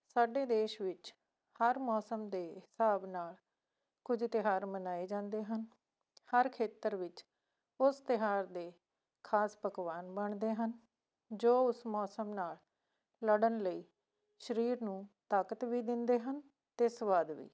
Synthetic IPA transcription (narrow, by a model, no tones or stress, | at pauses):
saːɖeːd̪eːʃʋɪt͡ʃ | həɾmɔːsəmd̪eːɦɪsaːbnaːl | kʊd͡ʒʱt̪ɪɦaːɾmənaːeːd͡ʒãːnd̪eːɦən | həɾkʰeːt̪əɾʋɪt͡ʃ | ʊst̪ɪɦaːɾd̪eː | kʰaːspəkʋaːnbəɳd̪eːɦən | d͡ʒoːʊsmɔːsəmnaːl | ləɽənləiː | ʃəɾiːɾnũːt̪aːkət̪ʋiːd̪ɪnd̪eːɦən | t̪eːsəʋaːd̪ʋḭː